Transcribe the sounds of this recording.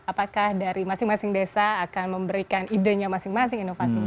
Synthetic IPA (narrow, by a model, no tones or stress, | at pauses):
apakahdaɾimasɪŋmasɪŋdesaːkanməmbəɾikanideɲamasɪŋmasɪŋinofasiɲa